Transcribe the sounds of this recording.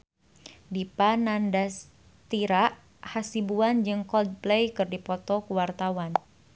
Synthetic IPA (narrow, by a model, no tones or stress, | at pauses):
dipanandas | t̪iɾaʔ | hasibuand͡ʒɨŋkɔld̚plejkɨrdipɔt̪ɔkuwart̪awan